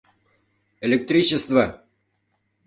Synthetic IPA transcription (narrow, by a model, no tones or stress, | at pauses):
elʲek̚t̪rʲit͡ɕest̪vɐ